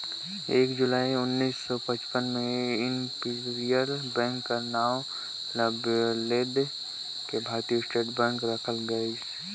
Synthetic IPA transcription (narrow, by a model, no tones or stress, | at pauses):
eːkd͡ʒʊlaːiʊnːiːsːɔpət͡ʃpənmẽɪnpiɾijəɾbɛ̃ːŋkːanaːw | ləbleːd̪ | kebʱaːɾt̪iosʈeːʈbɛ̃ːŋkɾəkʰəlɡəis